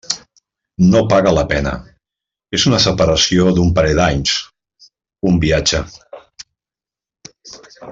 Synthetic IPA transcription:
nopaɣələpɛnə̰ | ezunəsəpəɾəsioðumpaɾɛd̪aɲs | umbiad͡ʒə

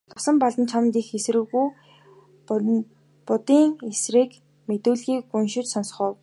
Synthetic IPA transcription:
t̪ʰʊ̥sɞ̆mpɔɮt̪ə̆nt͡ɕʰamnt̪iːxes̆rɘ̆ɣuj | pʊt̪iːŋesriːk | met̪uːɮɣiːkːunʃɪ̆t͡ɕsɔns̆χə̆ːw

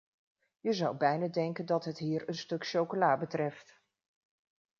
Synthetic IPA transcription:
jəzɑwbɛjnadɛŋkəndɑtɦətɦiːɹənstɵkʃowkolaːbətrɛft

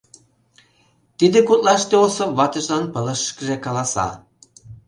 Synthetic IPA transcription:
t̪id̪ĕkut̪lɑʃt̪eosɤvɑt̪ɤ̆ʒlɑnpə̆lə̆ʃkəʒekɑlɑsɑ̰

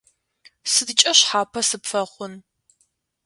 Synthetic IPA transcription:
sɨdɨt͡ʃʼɐɕħaːpʰɐsɨpfɐχʷʊn

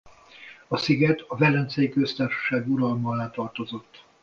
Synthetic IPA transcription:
ɒsiɡɛt̪ɒvɛlːɛnt̪sɛjikøst̪aːrʃɒ̥ʃaːɡuɾɒlmɒlaːt̪ɒrt̪o̞zo̞t̪ː

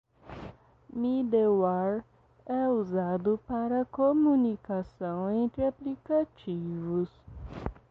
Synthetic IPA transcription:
mid̪ewaɾ | ɛuzad̪ʊpaɾɐkomunikasɐ̃w̃ẽnt̪ɾɪaplikat͡ʃivʊs

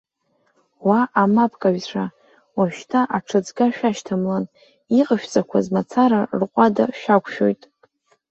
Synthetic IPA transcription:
waʔamapʰkʼaɥʂa | waʃtʰaʔaʈ͡ʂʰɨd͡zɡaʃᶣaʃtʰamlan | iqʼəʃᶣt͡sʼakʷʰazmat͡sʰaɾarqʷʼadaʃᶣakʷʰʼʃᶣo̞̰jtʼ

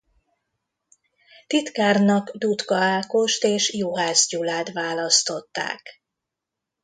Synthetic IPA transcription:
t̪it̪kaːrnɒkd̪ut̪kɒaːko̞ʃt̪eːʃjuɦaːzɟulaːt̪ʋaːlɒst̪o̞t̪ːa̰ːk

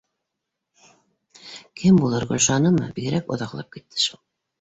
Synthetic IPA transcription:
kʰɘmbulˠɤɾʁŏlʲʃɑnɤmɤ̰biɡɘ̆ɾækŏ̰ðɑqlˠɑ̰p̚kit̪ʰːɘ̥ʃulˠ

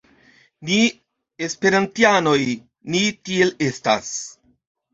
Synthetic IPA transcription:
ni | espe̞ɾantiano̞j | nitiele̞sta̰s

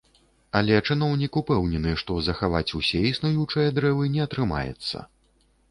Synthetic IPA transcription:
ɐlʲɛt͡ʂɨn̪ɔwnʲikupɛwnʲɛnɨʂt̪ɔzɐxava̰t͡sʲusʲɛisnujut͡ʂɨjɐd̪ɾɛvɨnʲɛɐt̪ɾɨma̰jɛ̰t̪sːɐ̰

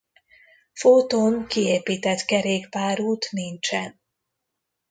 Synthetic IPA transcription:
fot̪oːŋkieːpiːt̪ɛt̪kɛɾeːkpaːɾuːt̪nint͡ʃɛn

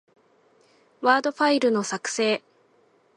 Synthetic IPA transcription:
βaːd̪o̞ɸaiɾɯ̟no̞sakɯ̟̥se̞ː

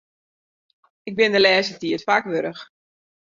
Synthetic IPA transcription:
ɪɡ̚bɪndəlɛːsətiətfakʋøɾəx

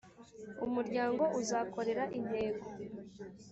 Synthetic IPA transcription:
umuɾɟaːŋɡo̞ʔuzaːko̞ɾe̞ɾaʔin̥he̞ːɡo

